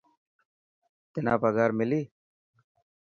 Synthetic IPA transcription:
t̪ɪna̰ːpaɡaːɾmɪliː

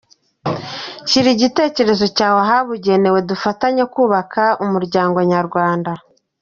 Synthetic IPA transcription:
ʃiɾiɟite̞ːce̞ɾe̞zo̞caːhoɦaβuɟe̞ne̞we̞dufataɲekuːβakʰaumuɾɟaːŋɡo̞ɲaɾɡwaːnda

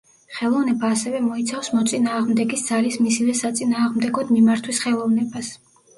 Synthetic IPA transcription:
χɛlˠɔvnɛbaːsɛvɛmɔit̪sʰafsmɔt̪sʼinaːʁmd̪ɛɡisd̪z̥alismisivɛsat̪sʼinaːʁmd̪ɛɡɔd̪mimaɾt̪ʰwisχɛlˠɔvnɛbas

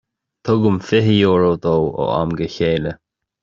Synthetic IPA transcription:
t̪ʰʊɡʊmfɪɦəjoːɹoːd̪owo̰a̰mɡəçeːlə

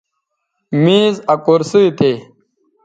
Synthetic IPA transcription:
mĩːzɐkoɾsuit̪e

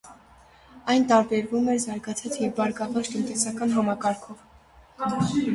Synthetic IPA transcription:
ɑjnt̪ɑɾbɛɾvumɛɾzɑɾɡɑt͡sʰɑt͡sjɛvbɑɾɡɑvɑɾt̪ənt̪ɛsɑkɑnɦɑmɑkɑɾkʰɔv

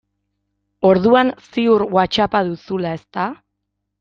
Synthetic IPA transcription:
o̞ɾðuansiuɾɣwat͡ʃapaðusulae̞st̪a

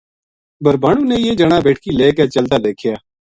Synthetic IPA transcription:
bʱəɾbaːɽũːnẽːjeːd͡ʒəɽaːbeːʈʰkiːleːkeːt͡ʃəld̪aːd̪eːkʰjaː

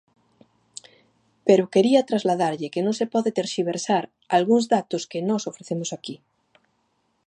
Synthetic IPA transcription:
peɾokeɾiat̪ɾazlaðaɾʎekenõŋsepɔðet̪eɾʃiβ̞eɾsaɾ | alɣuŋzðat̪oskenɔsofɾeθemosaki

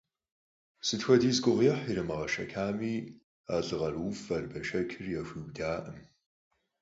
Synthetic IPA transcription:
sɨtxʷɔdiːzɡʷʊʁiːħiɾɨmɐʁɐʃɐkʰaːmiː | aːɮɨʁɐrufɐrbɐʃɐkʲʰɨrjaxʷiːwdaːʔəm

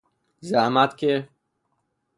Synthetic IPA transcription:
zamat̪ke

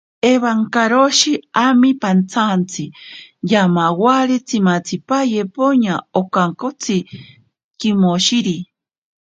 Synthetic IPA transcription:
eβaŋkaɾoʃiamipant͡sʰant͡sʰɨjamawaɾet͡sʰimat͡sʰipajepoɲaokaŋkot͡sʰi | kimoʃiɾi

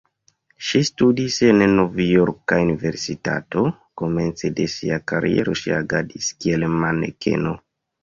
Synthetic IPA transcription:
ʃistudise̞nno̞vjoɾkaunive̞ɾsita̰to̞ | ko̞me̞nt͡sede̞siakaɾie̞̰ɾo̞ʃiaɡadiskielmanḛkʰe̞̰no̞

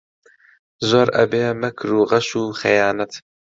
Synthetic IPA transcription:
zoːɾɐ̰beːmɛkʰɾuːʁɐʃuːxɛjɑːnɐt̪

